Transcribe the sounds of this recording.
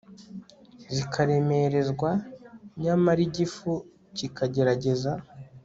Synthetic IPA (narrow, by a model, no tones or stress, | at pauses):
zikʰaɾe̞me̞ɾe̞zɡwaɲamaɾiɟifu | cikaɟe̞ɾaɟe̞za